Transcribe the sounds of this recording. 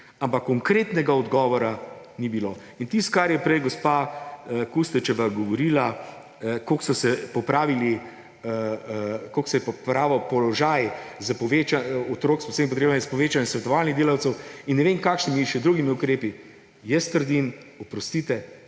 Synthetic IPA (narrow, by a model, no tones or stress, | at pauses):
ampakːɔŋkɾeːt̪nɛɡaɔd̪ɡɔːʋɔɾanibilo | int̪ist̪̚kaɾjɛpɾɛjɡospaəkust̪ɛt͡ʃɛʋaɡɔʋɔɾiːla | koksɔsɛpɔpɾaːʋili | koksɛjɛpɔpɾaːʋɔpɔlɔʒajzəpɔʋet͡ʃaɔt̪ɾoːksɔseːmip̬ɔt̪ɾeːbanɛspɔʋeːt͡ʃanɛsʋɛt̪ɔʋaːlniɣd̪eːlawsɛwinːɛʋemkaːkʃnimiʃɛd̪ɾuɡimiukɾeːpi | jɛst̪əɾd̪in | ɔpɾɔst̪iːt̪ɛ